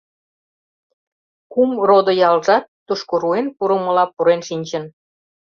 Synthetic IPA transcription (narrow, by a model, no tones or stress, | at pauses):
kumrod̪ojɑlʒɑt̪ːuʃkoɾuenpuɾəmə̆lɑpuɾenʃinʲt͡ɕə̆n